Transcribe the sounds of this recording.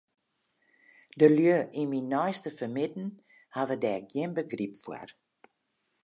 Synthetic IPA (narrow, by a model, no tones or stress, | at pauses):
dəlyəiminɔjstəfərmɪtn̩ | havədɛːkɡiənbəɡripfwə̰r